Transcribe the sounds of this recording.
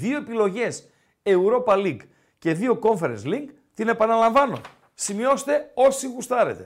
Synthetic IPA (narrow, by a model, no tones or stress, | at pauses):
ðio̞e̞pilo̞ʝe̞s | e̞uɾo̞pɐliɡ | ce̞ðio̞ko̞ɱfeɾensliŋk | t̪ine̞pɐnɐlɐɱvɐno̞̰ | simio̞st̪e̞o̞siɣust̪ɐɾe̞̰t̪e̞